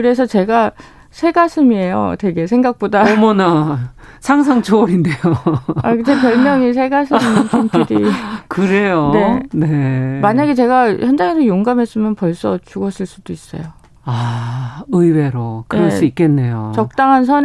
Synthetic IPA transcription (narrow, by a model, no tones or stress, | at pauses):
kɯɾe̞sʰʌt͡ɕe̞ɡa | sʰeɡasʰɯmie̞jo̰te̞ɡe̞sʰe̞ŋɡak̚p͈odaʌmʌnasʰaŋs̬ʰaŋt͡ɕʰoʌɾindejoakɯd͡ʑepjʌɭmjʌŋis̬ʰe̞ɡasʰɯminnkɯnpiɾikɯɾe̞jone̞nemaɲaɡe̞t͡ɕe̞ɡaçjʌnd͡ʑaŋesojoŋɡamɦe̞s͈ɯmjʌnpʌɭs͈ʌt͡ɕuɡʌɕʰiɭs͈ud̥ois͈ʌ̰jo | a | ɯiweɾokɯɾʌɭss͈uik͈̚e̞nːe̞jo̰t͡ɕʌk̚tt͈aŋɦansʰʌn